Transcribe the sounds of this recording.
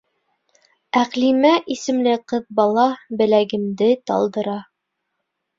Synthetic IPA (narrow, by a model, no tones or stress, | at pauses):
æqlimæʔisɘ̆mlɘqɤðbɑlˠɑbɘ̆læɡɘ̆md̪ɘt̪ɑ̰lˠd̪ɤ̆ɾɑ